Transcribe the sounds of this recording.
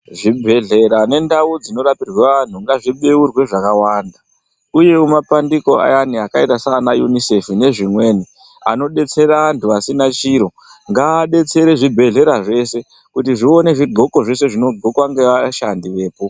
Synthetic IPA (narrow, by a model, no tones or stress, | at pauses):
ʐibʱe̞ɮe̞ɾane̞ndaud͡zino̞ɾapirwaʋan̤uŋɡaʐiɓeurwe̞ʐakawanda | uje̞umapandiko̞a̰janiakaitasaːnajunise̞fune̞ʐimwe̞ːni | a̰no̞ɗe̞t͡se̞ɾaantʰuasinat͡ʃiɾo̞ | ŋɡaːɗe̞t͡se̞ɾe̞ʐibʱe̞ɮe̞ɾaʐe̞se̞ | kutiʐione̞ʐiɡʱo̞ko̞ʐe̞se̞ʐino̞ɡʱo̞kwaŋɡe̞ʋaʃandiʋe̞ːpo